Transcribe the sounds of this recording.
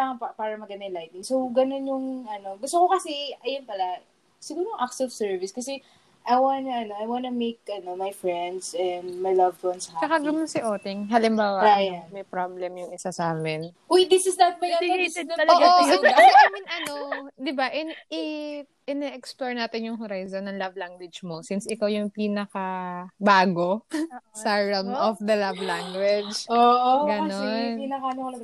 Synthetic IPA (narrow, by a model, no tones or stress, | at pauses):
aŋɐppaːɾɐmɐɡɐnd̪ɐjŋlajt̪̚nɪŋsowɡɐno̞njʊŋʔɐno̞ɡʊst̪okokɐsiʔɐjʊnpɐla | sɪɡuːɾoŋʔaksɔvsɛɹvɪskɐsɛ | ʔɐjwanʔɐno̞ɐjwanumejk̚ʔɐno̞mɐjfɹɛnd̪sɛnd̪mɐjlɐvt̪wɐnsɐhat͡ʃɐkaɡɐnonsɪʔoːt̪ɪŋɦɐlɪmbaːwɐajanmɐjpɾoblɛmjʊŋɪsasaːmɪn | wojd̪ɪsɪsd̪ɐt̪̚mɐjait̪ɛoɐloaoiaːmɛnɐnod̪ɪbaʔɛnʔɪ | ʔɪnɛʔɛksploɹnaːt̪ɪnjʊŋɦoɾajzonːɐŋlɐvlaŋɡwɪd͡ʒmosɪnsɪkawjʊŋpiːnɐkɐbaːɡo̞sɐɹɐmɔfd̪ɐlavlaŋɡwɛd͡ʒoʔɡɐnoninɐkanokɐlɐɡ